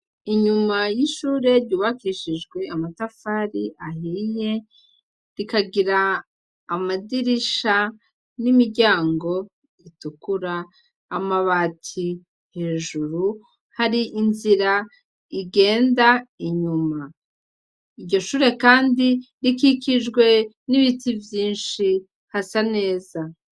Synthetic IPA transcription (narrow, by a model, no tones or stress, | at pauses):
iɲumajiʃuːɾe̞ɾɟuːβakiʃid͡ʒɡwe̞amatafaɾiʔahije̞ | ɾikaɡiɾaː | madiɾiʃa | nimiɾɟaːŋɡo̞ | itukuɾaː | maβaːtʰi | he̞ːʒuɾu | haɾiʔinziɾa | iɡe̞ːndaiɲuma | iɾɟo̞ʃuːɾe̞kaːndi | ɾikikid͡ʒɡwe̞ | niβitivjiːnʃi | hasane̞ːza